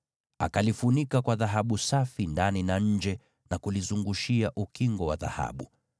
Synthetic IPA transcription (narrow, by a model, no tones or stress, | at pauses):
a̰kalifunikakwaðaɦaɓusafindaninaɲ̩d͡ʒɛ | nakulizuŋɡuʃiaʔukiŋɡɔwaða̰ha̰ɓu